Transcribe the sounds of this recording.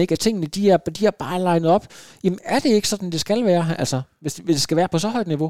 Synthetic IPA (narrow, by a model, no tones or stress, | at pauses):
e̝ɡ̥æt͡sʰe̝ŋ̰nəd̥iæɐd̥iæɐb̥ɑ̈ːlɑ̈ɪnəð̩ˠɒ̽b̥jæmənæɐd̥e̝e̝ɡ̥sɒ̽d̥n̩d̥e̝sɡ̥ælʋæːɐæl̰sɒʋe̝sʋesd̥esɡ̥æʋæːɐpʰɒ̽sɒ̽ɦɒ̽ɪ̰d̥niʋo̝